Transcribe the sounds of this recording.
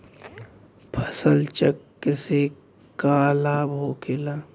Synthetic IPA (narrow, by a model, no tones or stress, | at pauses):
pʰə̥səlt͡ʃəkːese | kaːlaːbɦoːkʰelaː